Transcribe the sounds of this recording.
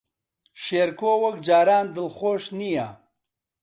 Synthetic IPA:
ʃeːɾkoːwɐk̚d͡ʒaːɾaːnd̪ɨlχoːʃnija̰

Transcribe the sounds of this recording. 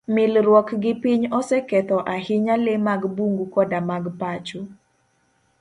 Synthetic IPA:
mɪlɾwɔkɡɪpiɲɔsɛkɛt̪ɔʔahɪɲalɪmaɡbuŋɡukɔdamaɡpat͡ʃo

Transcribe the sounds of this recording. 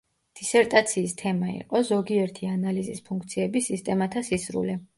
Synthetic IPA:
d̪̥isɛɾt̪ʼat̪sʰiːst̪ʰɛmaḭqʼɔzɔɡiɛɾt̪ʰianalizispʰuŋkʰt̪sʰiɛbisist̪ʼɛmat̪ʰasisɾṵlɛ

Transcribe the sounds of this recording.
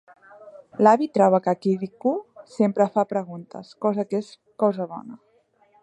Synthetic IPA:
laβit̪ɾɔβəkakiðikusempɾəfapɾəɣ̞unt̪ə̰skɔzəkes | kɔzəβɔ̰nə

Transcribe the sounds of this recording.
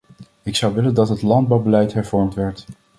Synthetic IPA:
ɪksɑwʋɪləndɑtɦətlɑnd̚bɑwbəlɛjtɦɛɹvɔɹmtʋɛɹt

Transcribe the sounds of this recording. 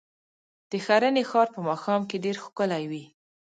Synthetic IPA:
d̪̥əxaɾənexɑɾpəmɑxɑmkeɖeɾxo̥kəlajwi

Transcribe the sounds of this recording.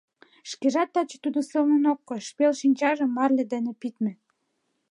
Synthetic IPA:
ʃkeʒɑt̪ːɑt͡ɕĕ̥t̪ud̪ŏsɤlnɤ̆nokːɤ̆ʃpelʃinʲt͡ɕɑʒɤ̆mːɑrlʲĕd̪enĕpit̪mĕ

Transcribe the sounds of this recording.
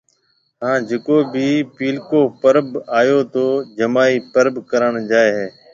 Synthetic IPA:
ɦãːd͡ʒekoːbiːpiːlkoːpəɾbaːjoːt̪oːd͡ʒəmaːiːpəɾbkəɾəɳd͡ʒaːeːɦeː

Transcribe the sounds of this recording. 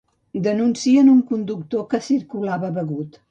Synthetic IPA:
d̪ənunsiənuŋkund̪uk̚t̪okəsiɾkulaβəβəɣut̪

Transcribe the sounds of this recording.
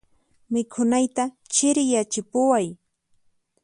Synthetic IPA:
mɪkʰʊnajt̪a | t͡ʃɪɾɪjat͡ʃɪpʊwaj

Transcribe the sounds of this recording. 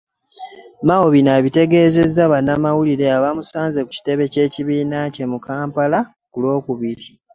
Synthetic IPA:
maoβinaβite̞ɡe̞ːze̞zːaβanːamawuliɾe̞aβamusaːnze̞ku̥ci̥te̞βe̞ce̞ːciβiːnace̞mukaːmpala | kulo̞ːkuβiɾi

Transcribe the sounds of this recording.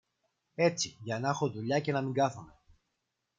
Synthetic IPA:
e̞t͡siʝɐnexoðuʎɐce̞nɐmiŋɡɐθome̞

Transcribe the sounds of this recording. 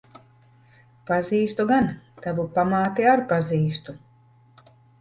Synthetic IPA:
paziːst̪uɡant̪avupamaːt̪iaɾpaziːst̪u

